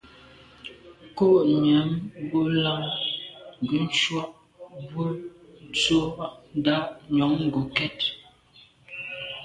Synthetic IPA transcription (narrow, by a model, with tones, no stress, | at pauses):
ko˦˨ʔɲɛ˨˦mbo˦la˦ŋ | ŋ˨ɡʉ˨˦n̩˦ʃwa˦ʔ | bo˦t͡so˦ʔn˦da˦ʔɲɔ˨˦ŋŋ̩˦ɡo˨kɛ˦t̚